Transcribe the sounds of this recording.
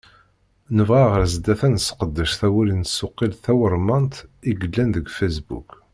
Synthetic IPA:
nəvʁæʁəɾzd̪æθænsqəd̪ːəʃθæwælinsːʊqːilθæwəɾˤmɑnt̪iɡəlːænðəɡfæsbṵk

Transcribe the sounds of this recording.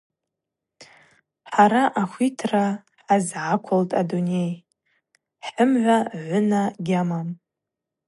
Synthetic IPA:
ħaɾaʔaxʷitʰra | ħazʕakʷʰʊltʼadunej | ħəmʕʷaʕʷʊnaɡʲamam

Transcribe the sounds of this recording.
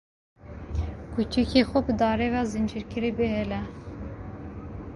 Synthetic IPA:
kʰut͡ʃikʰexʷɛbɨd̪ɑːɾevɑːzɨnd͡ʒiɾkɨɾibehɛlɛ

